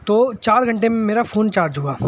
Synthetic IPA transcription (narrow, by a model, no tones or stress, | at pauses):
t̪oːt͡ʃaːɾɡʱɐ̃ɳʈemẽmeːɾafʰoːnt͡ʃaːɾd͡ʒɦuaː